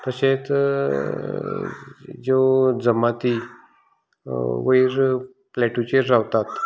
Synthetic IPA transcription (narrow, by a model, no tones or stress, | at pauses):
t̪əɕet̪ | d͡ʑed͡zəmat̪i | ʋəiɾ | plɛʈut͡ɕeɾɾaʋt̪at̪